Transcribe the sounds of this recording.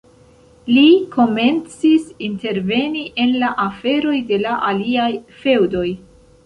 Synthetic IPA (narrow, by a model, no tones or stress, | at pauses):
likʰo̞me̞nt͡sisinte̞ɾve̞niʔe̞nlaʔafe̞ɾo̞jde̞laʔaliajfe̞wdo̞j